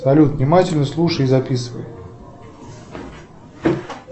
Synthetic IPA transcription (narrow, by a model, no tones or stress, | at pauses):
sɐlʲut̪nʲɪmatʲɪlʲnəslˠuʂəjizɐpʲisɨvə̰j